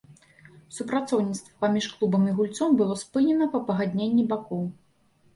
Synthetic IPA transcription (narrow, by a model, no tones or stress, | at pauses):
supɾat̪sɔwnʲit̪st̪vɐpamʲiʂklˠubɐmiɣulʲt̪sɔmbɨlˠɔspɨnʲɛnɐpɐpɐɣad̪ʲnʲenʲːibakɔw